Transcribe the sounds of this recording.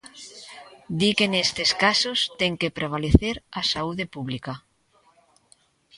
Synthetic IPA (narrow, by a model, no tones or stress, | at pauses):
d̪ikenest̪eskasost̪eŋkepɾeβ̞aleθeɾasauðepuβlika